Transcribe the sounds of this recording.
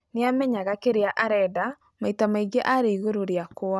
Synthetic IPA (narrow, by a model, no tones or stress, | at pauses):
neamɛɲaɣakeɾeaʔaɾɛda | maitamaiɡeʔaɾeiɣoɾoɾjakoa